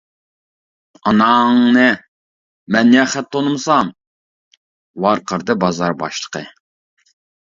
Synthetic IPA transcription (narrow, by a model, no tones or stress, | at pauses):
ɑnɑŋnɨ | mɛnːjɛχæt̪ʰːonɨmsɑm | wɑɾqʰəɾd̪ɨbɑzɑɾbɑ̰ʃlˠə̥qʰə